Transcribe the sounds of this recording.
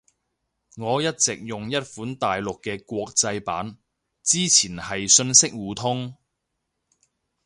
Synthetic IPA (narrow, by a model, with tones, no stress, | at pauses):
ŋɔː˨˧jɐ˥t̚t͡sɪ˨k̚jʊ˨ŋjɐ˥t̚fuː˨˥nt̪aː˨jlʊ˨kːɛː˧kʷɔː˧k̚t͡sɐ˧jpa̰ː˨˥n | t͡siː˥t͡sʰiː˨˩nhɐ˨jsɵ˧nsɪ˥k̚wuː˨˧t̪ʰʊ˥ŋ